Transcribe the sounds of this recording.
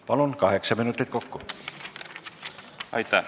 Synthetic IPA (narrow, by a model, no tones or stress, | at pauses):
pɑlonkɑheksɑminut̪ːˑit̪̚kokːo | ɑ̰it̪ɑ